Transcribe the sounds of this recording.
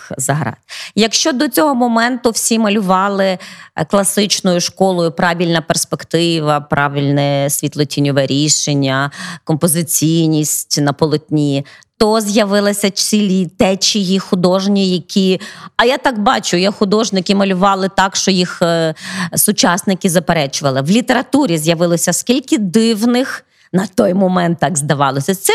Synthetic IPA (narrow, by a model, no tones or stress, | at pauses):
zɐɦɾɑ̰t̪̚jɐkʃt͡ʃɔd̪ɔt͡sʲɔɦɔmɔmɛnt̪ʊwsʲimɐlʲʊʋɑlˠɪklˠɐsɪt͡ʃnɔjʊʃkɔlˠɔjʊpɾɑʋʲilʲnɐperspekt̪ɪʋɐpɾʔɑʋʲilʲnɛsʲʋʲit̪lˠɔtʲinʲɔʋɛɾʲiʃenʲːɐkɔmpɔzɪt͡sʲijnʲisʲtʲnɐpɔlˠɔt̪ʲnʲit̪ɔzjɐʋɪlˠɐsʲɐt͡ʃʲilʲit̪ɛt͡ʃʲijixʊd̪ɔʒnʲijɐkʲʰiɐjat̪ɑkbɑt͡ʃʊjaxʊd̪ɔʒnɪkʲɪmɐlʲʊʋɑlˠɪt̪ɑkʃt͡ʃɔjix | sʊt͡ʃɑsnɪkʲɪzɐpeɾɛt͡ʃʊʋɐlˠɪʋlʲit̪eɾɐt̪uɾʲizʲjɐʋɪlˠɔsʲɐskʲilʲkʲɪd̪ɪwnɪx | nɐt̪ɔjmɔmɛnt̪ːɑɡzd̪ɐʋɑlˠɔsʲɐt̪sɛ